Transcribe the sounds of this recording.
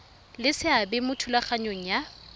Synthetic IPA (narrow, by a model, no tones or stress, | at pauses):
lɪsɪabɪmʊtʰulaχaɲoŋ̩ja